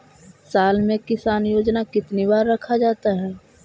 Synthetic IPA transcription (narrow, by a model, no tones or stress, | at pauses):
saːlmẽkɪsaːnjoːd͡ʒnakɪt̪nibaːɾːɐkʰad͡ʒaːt̪aɦɛː